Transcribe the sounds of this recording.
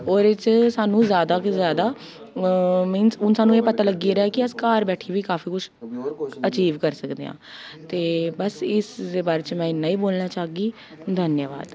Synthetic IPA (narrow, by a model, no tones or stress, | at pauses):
oːɾeːt͡ʃsaːnũːzjaːd̪aːkzjaːd̪aː | mɪnsʊnsaːnũeːpət̪aːləɡiːɾaːkɪəskaːɾbɛːʈʰiːʋiːkaːfiːkʊʃʰ | ət͡ʃiːʋkəɾsəkd̪ḛːã̰ːt̪eːbəsɪsd̪eːbaːɾeːt͡ʃmɛ̃ːɪnːãːiːboːlnaːt͡ʃaːɡiː | d̪ʱənjəʋa̰ːd̪